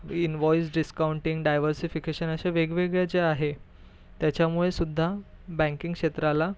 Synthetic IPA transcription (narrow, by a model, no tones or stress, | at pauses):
inʋɔjsɖiskauɳʈiŋɡɖajʋəɾsifikeɕənəɕaʋeɡʋeɡɭjad͡zeaɦe | t̪jat͡ɕjamuɭesud̪ʱːa | bɛ̃ŋkiŋkʂet̪ɾala